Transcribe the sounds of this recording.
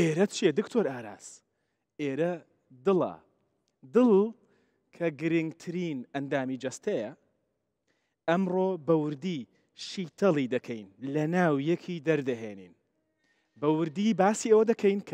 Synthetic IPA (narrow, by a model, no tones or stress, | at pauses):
ʔeːɾɐt͡ʃʰiɛd̪ɨkt̪ʰoːɾaːɾa̰ːz̥ | eːɾɐ | d̪ɨlɐ̰ | d̪ɨlˠ | kʰɐɡɨɾɨŋɡt̪ʰɨɾiːnɐnd̪aːmiːd͡ʒɐst̪ɐjɐ | ɐmroːbɐwʊɾd̪iː | ʃiːt̪ʰɐlˠid̪ɐkʰɛjnlɐnaːwjɛkʰiːd̪ɐɾd̪ɐɦḛːnḭːn | bɐwɨɾd̪ibaːsiːɐwɐd̪ɐkʰɐjnkʰ